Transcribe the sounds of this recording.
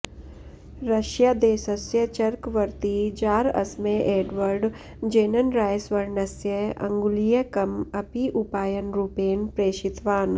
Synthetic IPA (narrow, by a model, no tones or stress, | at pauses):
ɾɐʃjaːd̪eːsɐsjɐt͡ʃɐɾkʋɐɾt̪id͡ʒaːɾɐ̰smeʔeːɖʋəɾɖ | d͡ʒeːnɐnɾaːjsʋɐɾnɐsjəɐ̰̃ŋɡulijɐkɐmɐpiʔupaːjənɾupeːnpɾeːʃɪt̪ʋaːn